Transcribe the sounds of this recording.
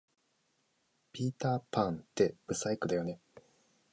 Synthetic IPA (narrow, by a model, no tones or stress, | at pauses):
pʲiːt̪aːpʰãnt̪e̞b̥ɯ̟saikɯ̟d̪ajo̞ne̞